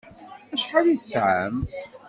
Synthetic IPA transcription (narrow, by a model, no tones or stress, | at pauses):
æʃħalisʕa̰m